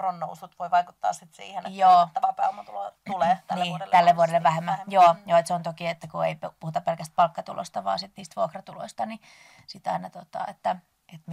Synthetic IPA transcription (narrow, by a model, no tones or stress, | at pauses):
ronːousut̪ʋoiʋɑikut̪ːɑ̰ːssit̪sḭːhenjoːpɑpæolmːɑt̪ulot̪uleːnːiːt̪ælːeʋuodelːeʋʋæhemːæjoːjoːet̪seont̪okiet̪ːækuḛippuhut̪ɑpelkæst̪̚pɑlkːɑt̪ṵlo̰st̪ɑʋɑ̰ːsit̪niːst̪ʋuokrɑt̪ulo̰ist̪ɑni | sit̪ɑinɑt̪ot̪ɑ̰et̪ːæ | et̪m